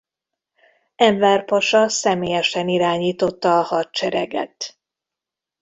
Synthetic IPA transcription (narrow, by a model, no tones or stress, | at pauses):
ɛɱvɛrpɒʃɒsɛmeːjɛʃɛniɾaːɲiːt̪o̞t̪ːɒːhɒtt͡ʃɛɾɛ̰ɡɛ̰t̪